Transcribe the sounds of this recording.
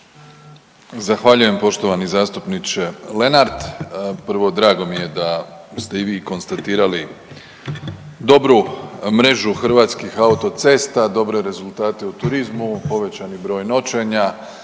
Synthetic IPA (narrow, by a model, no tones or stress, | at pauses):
zaxʋaʎuje̞mpo̞ʃt̪o̞ʋanizaːst̪upnit͡ʃe̞le̞naɾd̪pr̩ʋo̞d̪ɾaːɡo̞mije̞d̪ast̪e̞iʋiːko̞nst̪at̪iːɾali | d̪o̞bɾumɾe̞ʒuxr̩ʋaːt̪skixaut̪o̞t̪se̞ːst̪ad̪o̞bɾe̞ɾe̞zulˠt̪aːt̪e̞ut̪uɾizmupo̞ʋe̞t͡ɕanibɾo̞ːjno̞t͡ʃe̞ɲa